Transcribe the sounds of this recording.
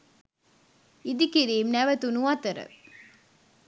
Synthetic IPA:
id̪ikiɾiːmnæʋət̪unuɐt̪əɾə̰

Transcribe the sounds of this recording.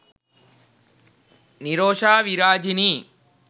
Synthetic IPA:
niɾoːʂaːʋiɾaːd͡ʒini

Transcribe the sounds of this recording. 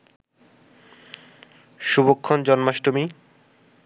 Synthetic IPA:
ʃubokʰːɔnd͡ʑɔnmaʃʈomi

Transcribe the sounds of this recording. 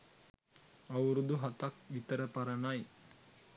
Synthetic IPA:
ɐwuɾud̪uɦɐt̪ak̚ʋit̪ɐɾɐpɐɾɐnaj

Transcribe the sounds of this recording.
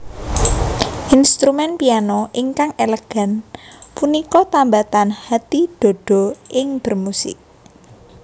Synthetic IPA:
ʔinst̪ɾumɛnpianɔʔiŋkaŋʔeləɡ̥a̤npunikɔt̪ambat̪anhat̪id̪̥o̤d̥ɔ̤ʔɪŋb̥ə̤rmusɪ̰k̚

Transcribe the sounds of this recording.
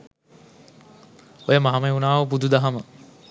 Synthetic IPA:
ojəmaɦamɐunaːʋəp̬ud̪ud̪aɦamə

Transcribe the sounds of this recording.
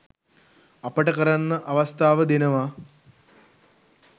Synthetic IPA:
apəʈəkəɾanːəʔaʋast̪aːʋəd̪enəʋa

